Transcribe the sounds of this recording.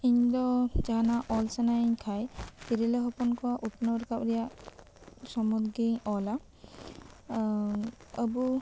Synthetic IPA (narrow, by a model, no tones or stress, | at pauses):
iɲd̪ɔd͡ʒaɦanaʔɔlsanaɲkʰajt̪iɾeleɦɔpɔnkɔaʔupnɔɾkapɾija | sɔmud̪ɡiɲɔla | əbu